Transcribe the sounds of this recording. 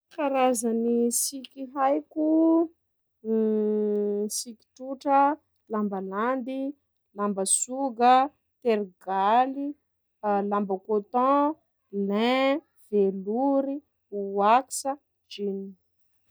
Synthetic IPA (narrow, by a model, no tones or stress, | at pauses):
kaɾazənisikiɦajku | siki̥ʈ͡ʂuʈ͡ʂə | lambaland̪i | lambəsuɡə | t̪eɾɡali | lambəkot̪ɔ̃ | lɛ̃ | v̥eluɾi | uaki̥sə | d͡ʒini̥